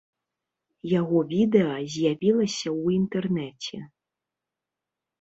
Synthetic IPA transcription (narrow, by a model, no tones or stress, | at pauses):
jaɣɔvʲid̪ɛɐzʲjavʲilˠɐsʲɐwint̪ɛrnɛt͡sʲɛ̰